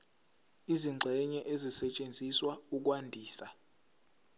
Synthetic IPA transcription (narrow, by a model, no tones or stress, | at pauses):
iziŋ͡ǀʱɛɲɛʔezisɛt͡ʃʼend͡zʱiswauk̬ʼwandʱiːsa